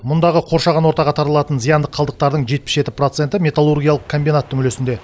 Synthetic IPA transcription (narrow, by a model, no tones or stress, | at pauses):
mʊnd̪ɑʁəqʰo̞ɾʃɑʁɑnwo̞ɾt̪ɑʁɑt̪ʰɑɾɑlˠɑt̪ənzijɑnd̪əqʰːɑlˠd̪əq̚t̪ɑɾd̪əɴʒe̞t̪pɪsʒe̞t̪ɪpro̞t̪se̞nt̪ɪmʲe̞t̪alˠurɡʲijalˠəqkʰo̞mbijnat̪ʰːʏŋʏle̞sɪnd̪e̞